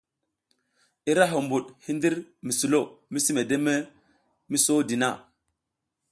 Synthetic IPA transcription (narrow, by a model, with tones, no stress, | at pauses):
i˦ɾa˦ɦo˨mbu˨ɗhi˦ndi˦ɾmi˨su˨lo˦˨mi˦si˦me˨de˦me˦ | mi˦so˦di˨na˦˨